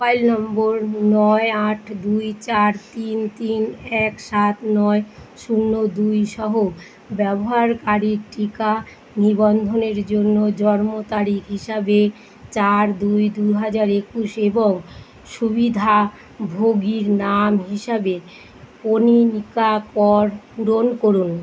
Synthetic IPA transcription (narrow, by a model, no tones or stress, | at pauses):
ajlnɔmboɾnɔeaʈʰd̪ujt͡ɕaɾt̪int̪inɛkʃat̪nɔeʃunːod̪ujʃɔɦo | bɛboɦaɾkaɾiɾʈika | nibɔnd̪ʱoneɾd͡ʑonːod͡ʑɔɾmot̪aɾikɦiʃabe | t͡ɕaɾd̪ujd̪uɦad͡ʑaɾekuʃeboŋ | ʃubid̪ʱa | bʱoɡiɾnamɦiʃabe | koninikapɔɾuɾonkoɾun